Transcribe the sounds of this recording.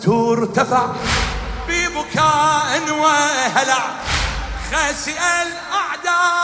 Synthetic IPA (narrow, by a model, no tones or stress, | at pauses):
t̪uːɾt̪afaʕ | bibʊkaːʔɪnwaɦalaʕ | xasɪʔal | ʔaʕd̪a